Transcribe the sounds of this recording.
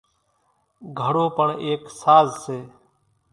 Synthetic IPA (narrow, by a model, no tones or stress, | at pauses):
ɡʱəɽoːpəɳeːksaːzseː